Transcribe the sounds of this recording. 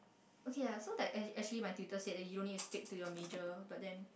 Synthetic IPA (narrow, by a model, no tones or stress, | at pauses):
ʔokʰejasodɛtɛɛk̚t͡ʃuəlimajtjutəsedɛtjudõnituspik̚tujɔmed͡ʒəbat̚dɛ̃n